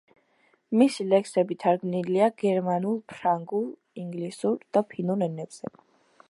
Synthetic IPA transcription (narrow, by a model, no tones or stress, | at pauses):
misilɛksɛbit̪ʰaɾɡmniliaɡɛɾmanulˠpʰɾaŋɡulˠ | iŋɡlisuɾd̪̥apʰinuɾɛnɛbz̥ɛ